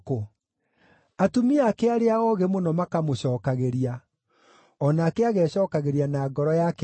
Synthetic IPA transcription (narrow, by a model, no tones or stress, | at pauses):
ko | atumiakeaɾeaɔɣemonɔmakamoɕɔːkaɣeɾia | ɔnaːkeaɣɛːɕɔːkaɣeɾianaːɡɔɾɔjak